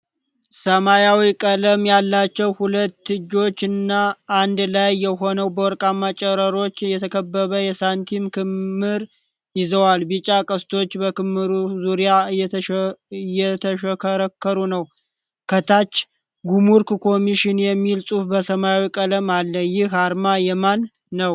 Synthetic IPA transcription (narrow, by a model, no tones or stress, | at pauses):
səmajawikʼələmjalːat͡ʃːɛwhulət̪ːɨd͡ʒo̞t͡ʃːɨnːaʔːnd̪lajːɛɦo̞nəwbəwɔɾkʼamːat͡ʃʼəɾəɾo̞t͡ʃːjɛt̪ʰəkʰəbːəβəjɛsant̪ʰimkʰɨmːɨɾ | jɪzəwalbɨt͡ʃʼːakʼəst̪ʰo̞t͡ʃːbəkɨmːɨɾuzuɾijajɛ | jːɛt̪ʰəʃəkʰəɾəkːəɾunəw | kʰət̪ʰat͡ʃː | ɡumuɾkkʰo̞miʃɪnjɛmːilsʼufbəsəmawikʼələmalːəjɪhaɾmajɛmanː | əw